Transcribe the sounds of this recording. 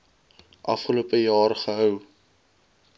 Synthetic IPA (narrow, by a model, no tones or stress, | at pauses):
ʔɐ̰fχəluəpəjɑːrχəɦœw